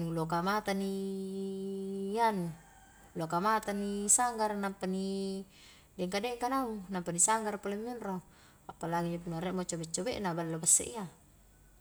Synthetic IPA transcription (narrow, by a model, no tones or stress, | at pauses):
lokamat̪ani | jan | lokamat̪anisaŋɡarnampani | dɛŋkadɛkanaunampanisaŋɡarpalemːinro | apalaɡid͡ʒapunaɾɛʔmot͡ʃobɛt͡ʃːobɛ̰ʔnabalːabasːḛʔia